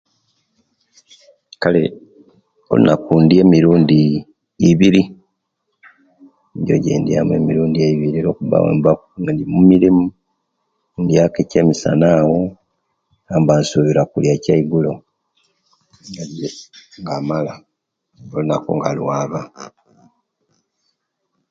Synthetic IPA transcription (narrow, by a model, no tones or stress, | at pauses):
kale̞ | o̞̰lṵnakuːndije̞ːmiɾuːndiː | βiɾi | ɲɟo̰ɟḛːndijame̞̰miɾuːndieiβiɾiɾo̞ːkuβa̰wḛːmbakuŋadimumiɾimu | ndjakeceːmisa̰naːwo | aːmbansuβiɾakuljacaiɡulo̞ | ŋadeŋɡamala | olunakuŋɡalwaːβa